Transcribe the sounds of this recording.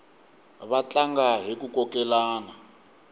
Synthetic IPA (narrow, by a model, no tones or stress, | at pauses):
βat͡ɬʼaŋɡaɦikukɔkɛlaːna